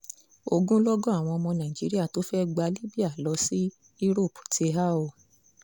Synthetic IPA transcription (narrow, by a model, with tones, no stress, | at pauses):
o˧ɡũ˦lɔ˦ɡɔ̃˦a˦˨w̃ɔ̃˧ɔ˧mɔ̃˧nã˨i˨d͡ʒi˨˦ɾi˦a˦˨to˨˦fɛ˦ɡ͡ba˧li˦bi˦a˦˨lɔ˧˦si˦ | i˦ɾo˦˨pu̥˨te˧˦ɦa˦o˦˨